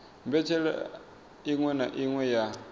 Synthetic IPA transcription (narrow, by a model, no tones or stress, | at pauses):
mbɛt͡ʃʰɛɺa̰ | iŋwɛnaʔiŋwɛja